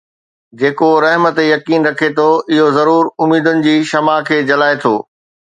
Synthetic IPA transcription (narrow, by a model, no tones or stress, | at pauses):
d͡ʑeːkoɾɐɦmət̪ejɐkiːnɾɐkʰet̪ʰoɪɦozɐɾuːɾʊmiːd̪ʊnɪ̆d͡ʑiːʃɐmakʰeːd͡ʑɐlaːet̪ʰoː